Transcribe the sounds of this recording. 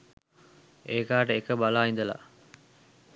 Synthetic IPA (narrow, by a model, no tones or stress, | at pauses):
eːkaːʈəekəbalaːind̪əla̰